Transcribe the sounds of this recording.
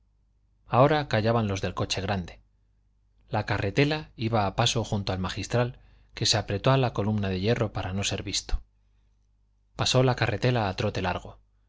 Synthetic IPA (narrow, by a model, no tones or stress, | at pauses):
ao̞ɾakaʝaβanlo̞zðe̞lko̞t͡ʃe̞ɣ̞ɾand̪e̞ | lakare̞t̪e̞laiβaːpaso̞xunt̪oalmaxist̪ɾal | ke̞se̞apɾe̞t̪o̞alako̞lumnað̞e̞je̞ro̞paɾano̞se̞ɾβist̪o̥ | paso̞lakarʔe̞t̪e̞laːt̪ɾo̞t̪e̞la̰ɾɣ̞o̞